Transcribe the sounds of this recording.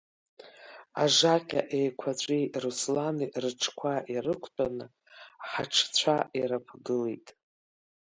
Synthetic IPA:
a̰ʐaqʲʼa̰ʔejkʷʰat͡ɕʷʼiruslanirɨʈ͡ʂʰkʷʰaʔirɨkʷʰt͡pʼanɨ | ħaʈ͡ʂʰt͡ɕʷʰaʔiɾapʰɡɨlejtʼ

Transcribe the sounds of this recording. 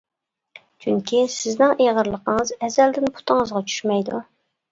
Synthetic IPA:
t͡ʃʰyŋkʲʰisɪznɪŋʔeʁəɾlˠəqʰəŋəzɛzɛld̪ɪnpʰu̥t̪ʰəŋəzʁɑt͡ʃʰy̥ʃmɛjd̪ṵ

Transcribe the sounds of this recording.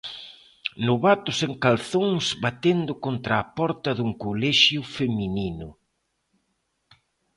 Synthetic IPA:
nʊβat̪ʊseŋkalθoŋsβat̪end̪ʊkont̪ɾaːpɔɾt̪ɐðuŋkolɛʃjʊfemininʊ

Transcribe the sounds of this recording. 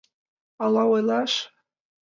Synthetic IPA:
ɑlɑojlˠɑʃ

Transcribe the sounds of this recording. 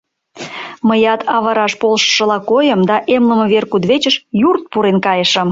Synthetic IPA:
məjɑt̪ʰɑβɑɾɑʃpolʃə̥ʃə̆lɑkojəmd̪ɑʔemlə̆mə̆βerkud̪βet͡ɕəʃjurt̪̚puɾenkɑjəʃə̆m

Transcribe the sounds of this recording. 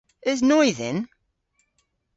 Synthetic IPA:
æznuiðən

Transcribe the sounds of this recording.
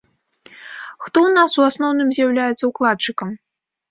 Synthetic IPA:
xt̪ɔwnasuasnɔwnɨmzʲjawlʲajɛt̪sːɐuklˠat͡ʂɨkɐm

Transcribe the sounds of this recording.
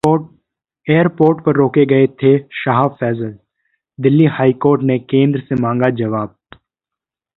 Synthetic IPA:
oː | eːəɾpoːɾʈpɐɾːoːkeɡɐet̪ʰeʃaːɦfɛːzəl | d̪ɪlːihaːikoːɾʈnekẽːnd̪ɾəsemãːŋɡad͡ʒɐʋaːb̚

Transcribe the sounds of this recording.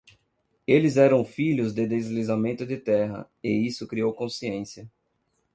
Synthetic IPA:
elɪzɛɾɐ̃w̃fiʎʊzd̪ɪd̪ezlizamẽnt̪ʊd̪ɪt̪ɛɦɐ̰ | ɪisʊkɾiowkõsiẽsjɐ

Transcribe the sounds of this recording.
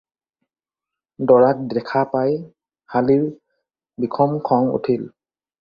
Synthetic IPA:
dɔɹak̚dɛkʰapaj | haliɹ | bikʰɔmkʰɔŋṵtʰil

